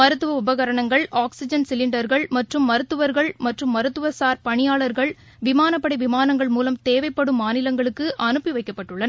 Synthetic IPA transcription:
mɐɾɯt̪ːɯʋɐʊbɐɣɐɾɐɳɐŋɡɐɭaːksɪd͡ʒɐnsɪlɪɳɖɐɾɣɐɭmɐʈrɯmːɐɾɯt̪ːɯʋɐɾɣɐɭmɐʈrɯmːɐɾɯt̪ːɯʋɐsaːɾpɐɳɪjaːɭɐɾɣɐɭ | ʋɪmaːnɐpːɐɽɐɪʋɪmaːnɐŋɡɐɭmuːlɐmt̪eːʋɐɪpːɐɽɯmːaːnɪlɐŋɡɐɭɯkːɯʔɐnɯpːiʋɐɪkːɐpːɐʈːɯɭːɐnɐ

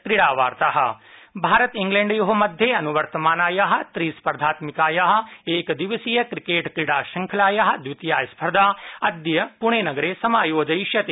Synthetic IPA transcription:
kɾiɽaːʋaːɾt̪aːɦɐ̆bʱaːɾɐt̪ĩŋɡlẽːɳɖjuɦɐmɐd̪ʱjeɐnuʋɐɾt̪ɐmaːnaːjaːɦɐ̆t̪ɾispɐɾd̪ʱaːt̪mikaːjaːɦɐ̆eːkd̪iʋɐsijɐkɾikeːʈkɾiɽaːʃɐŋkʰɐlaːjaɦɐ̆d̪ʋit̪jaːjspʰɐɾd̪aːɐd̪jɐpuɳ̃eːnɐɡɐɾeːsɐmaːjoːd͡ʒɐjʃjɐt̪e

